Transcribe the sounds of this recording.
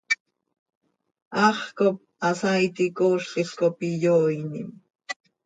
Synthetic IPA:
ɑχkop̚ | asajt̪ikoʃt̪iskopijojnim

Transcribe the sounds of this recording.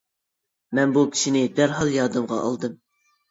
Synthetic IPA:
mɛnbukʲʰi̥ʃinɪd̪æɾɦɑlˠjɑːd̪ɨmʁɑ̰ʔɑ̰lˠd̪ɨm

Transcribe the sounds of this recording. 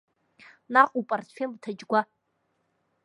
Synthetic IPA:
naqʼupʼartʰfemtʰad͡ʒɡʷa

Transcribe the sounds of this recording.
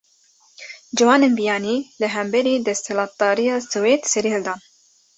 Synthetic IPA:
d͡ʒɨwɑːnenbijɑːniːlɨɦɛmbɛɾiːd̪ɛst̪hɛlɑːt̪̚d̪ɑːɾijɑːsɨweːt̪sɛɾiːld̪ɑːn

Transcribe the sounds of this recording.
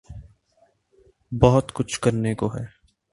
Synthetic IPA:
bɔɦʊt̪kʊt͡ʃʰkɐɾnekoɦɛː

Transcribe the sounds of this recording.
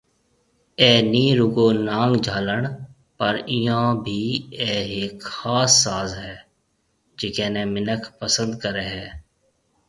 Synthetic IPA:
ɛːniːɾʊɡoːnãːŋɡd͡ʒʱaːləɳ | pəɾɪjãːbʱiːɛːɦeːkxaːsːaːzɦɛː | d͡ʒɪkɛːneːmɪnəkʰpəsə̃nd̪̚kəɾeɦɛː

